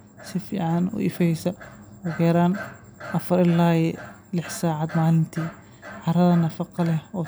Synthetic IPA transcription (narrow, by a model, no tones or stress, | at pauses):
sɪfḭːʕanʊ̰ʔɪ̰fɛjsɐwɔɡɛːɾaːn | ʔɐfɾɪlːaːjɛ | lɪħsaːʕad̪maːlɪmt̪ʰiː | ʕɑɾɐðɐnɐfɑqɑlɛhɔ